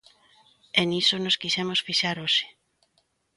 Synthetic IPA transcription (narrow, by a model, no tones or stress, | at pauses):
enisonoskiʃɛmosfiʃaɾoʃɪ̥